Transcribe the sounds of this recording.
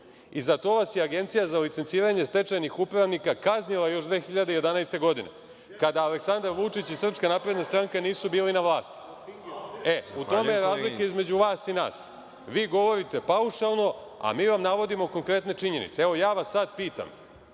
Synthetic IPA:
izat̪o̞ʋasjeaɡe̞nt̪sijazalit̪sent̪siːɾaɲe̞st̪e̞t͡ʃajnixupɾaʋnikakaznilajo̞ʃd̪ʋeːxiʎad̪ejed̪anajst̪e̞ɡo̞d̪ine̞̰ | kad̪aaleksand̪aɾʋut͡ʂit͡ɕisr̩pskanapɾe̞d̪nast̪ɾaŋkaniːsubiːlinaʋlˠaːst̪i̥ | e̞ut̪o̞mejɾaːzlikaizme̞d͡ʑuʋaːst̪ina̰ːs | ʋiːɡo̞ʋo̞ɾit̪e̞pauʃalˠno̞ | a̰miːʋamnaʋo̞d̪imo̞ko̞ŋkɾe̞t̪ne̞t͡ʂiɲe̞nḭt̪seeʋo̞jaːʋasːad̪̚piːt̪a̰m

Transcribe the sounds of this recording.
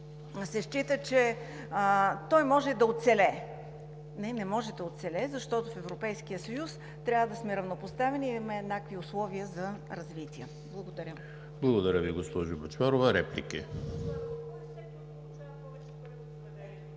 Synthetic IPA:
sɛʃt͡ʃit̪ət͡ʃɛ | t̪ɔjmɔʒɛd̪ɐot̪t̪sɛlɛ | nɛnɛmɔʒɛd̪ɐot̪sɛlɛzɐʃt̪ɔt̪ofɛvɾopɛjskijəsɐjus | t̪ɾʲavəd̪ɐsmɛɾɐvnopost̪avɛnimɛːd̪nakviʊslˠɔviəzɐɾɐzvit̪iə | blˠɐɡod̪ɐɾʲə | blˠɐɡod̪ɐɾʲəviɡospɔʒʊbɐt͡ʃvaɾovəɾɛplḭkə̰

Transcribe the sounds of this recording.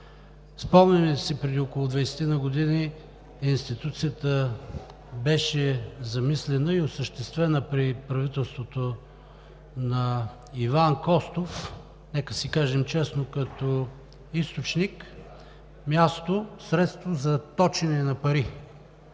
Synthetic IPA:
spɔmnɛmɛsipɾɛd̪iokolˠʊd̪vɐjsɛ̥t̪inɐɡod̪ini | inst̪it̪ut̪sijət̪ə | bɛʃɛzɐmislɛnəiosəʃt̪ɛst̪vɛnəpɾipɾɐvit̪ɛlˠst̪vot̪o | nɐ | ivankɔst̪of | nɛkəsikaʒɛmt͡ʃɛsnokɐt̪o | ist̪ot͡ʃnik | mʲjast̪osɾɛt̪st̪vozɐt̪ɔt͡ʃinɛnɐpɐɾi

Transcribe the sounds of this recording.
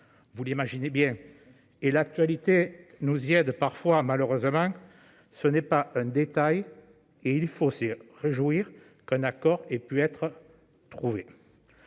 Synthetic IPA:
vulimaʒinebjɛ̃ | elak̚t̪ɥalit̪enuziɛd̪paʁfwamaløʁøzəmɑ̃ | sənɛpaʔɛ̃d̪et̪aj | eilfosəʁeʒuiʁ | kɛ̃nakɔʁepyɛt̪χə | t̪χuve

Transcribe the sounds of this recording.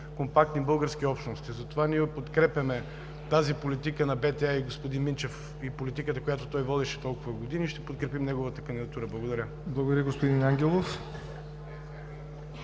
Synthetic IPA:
kompak̚t̪nibɤlˠɡəɾsk̟iɔpʃt̪nost̪izɐt̪ovaniɛpot̪kɾɛpʲjɐmɛ | t̪azipolit̪ikənɐbɛt̪ɛaiɡospod̪inmint͡ʃɛf | ipolit̪ikət̪əkojat̪ot̪ɔjvɔd̪ɛʃɛ̥t̪ɔlˠkʊvɐɡod̪iniːʃt̪ɛpot̪̚kɾɛpimnɛɡovət̪əkənd̪id̪ɐt̪uɾəblˠɐɡod̪ɐɾʲə | blˠɐɡod̪ɾjəɡospod̪inaŋɡʲɛlˠof

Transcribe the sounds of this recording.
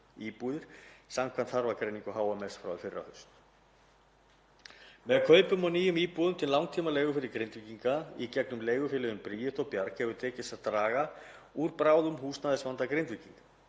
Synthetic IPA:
iːpuðɪɾ̥samkʰant̪θaɾvakɾejniŋkʏɦaːwamɛsfɾa̰wɪfɪrːa̰hœɥst̪ | mɛðkʰœːɥpʏmawniːjʏmiːpuːðʏmt̪ʰɪlawŋt̪ʰiːmaleːjɣʏfɪɾɪɾkɾejnt̪viciŋkaicɛknʏmleːjɣʏfɪlɪðʏmpɾiːjɪht̪ɔɣpjaɾkhɛvʏɾt̪ʰɛːcɪstaðt̪ɾaːɣa | uɾpɾaːwðʏmɦuːst̪aðɪsvant̪akɾejnt̪viciŋkḁ

